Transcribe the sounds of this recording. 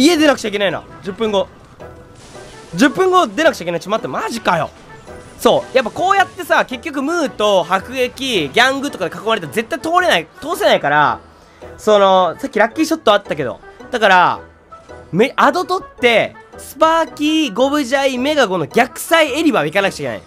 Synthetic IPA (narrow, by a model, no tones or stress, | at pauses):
ie̞d̪e̞nakɯ̟̥t͡ɕaik̬enaino̰ | d͡ʑɨpːɯ̟̃ŋɡo̞ | d͡ʑɨpːɯ̟̃ŋɡod̪e̞nakɯ̟̥t͡ɕaikenai̥t͡ɕamat̪ːmaʑikajo̞̰ | so̞ːjap̬ːako̞ːjat̪ːe̞sake̞kʲːo̞k̬ɯ̟mɯ̟ːt̪o̞hakɯ̟ɡe̞kʲiɡʲãŋɡɯt̪o̞kad̪ekako̞maɾe̞t̪aɾze̞t̪ːait̪o̞ːɾe̞nait̪o̞ːse̞naikaɾa̰ | so̞no̞sakʲːiɾakʲːiit͡ɕo̞t̪ːo̞at̪ːak̬e̞d̪o̞̰d̪̥akaɾa | meʔad̪o̞t̪o̞t̪ːe̞sɨ̥paːkʲiɡo̞βɯ̟ʑaime̞ɡaɡo̞no̞ɡʲakɯ̟̥saie̞ɾʲibaikanakɯ̥t͡ɕaikena̰ḭ